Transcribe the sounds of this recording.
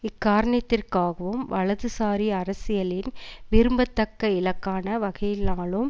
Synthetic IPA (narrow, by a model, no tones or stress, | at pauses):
ɪkːaːɾɐɳɐt̪ːɪrkaːɣɐʋɯmʋɐɭɐðɯsaːɾiɐɾɐsɪjɐlɪnʋɪɾɯmbɐt̪ːɐkːɐɪlɐkːaːnɐʋɐɣɐjɪlnaːɭɯm